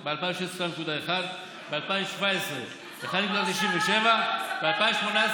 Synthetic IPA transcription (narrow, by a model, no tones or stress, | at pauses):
bealpaj̃meʃesʃanekud̪aexad̪ | bealpaimʃvaesʁe | exad̪nekuːd̪atiʃinveʃevabealpajmʃmonae